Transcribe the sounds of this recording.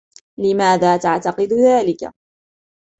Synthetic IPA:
lɪmaːðaːt̪aʕt̪ɑqɨd̪ʊðaːlɪka̰

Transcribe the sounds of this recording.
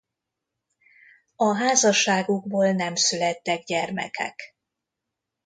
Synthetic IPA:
ɒɦaːzɒʃaːɡuɡ̚boːlnɛmsylɛt̪ːɛɡɟɛrmɛ̰kʰɛ̰k

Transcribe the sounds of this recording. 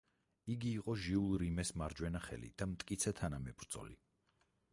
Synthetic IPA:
iɡiːqʼɔʒiulˠɾimɛsmaɾd͡ʒwɛnaχɛ̰lḭd̪̥amt̪ʼkʼit̪sʰɛt̪ʰanamɛbɾd̪zʼɔ̰lḭ

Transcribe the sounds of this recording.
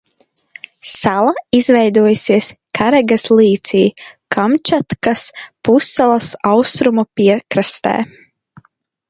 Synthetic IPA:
salˠaizvɛjd̪uɔjusiɛskʰaɾɛɡaslˠiːt̪siːkʰamt͡ʃat̪kaspusːalˠɐsawst̪ɾumupiɛkɾast̪ɛ̰ː

